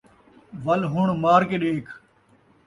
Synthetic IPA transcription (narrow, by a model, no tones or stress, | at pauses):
ʋɐlɦʊɳmaːɾkeːɗeːkʰ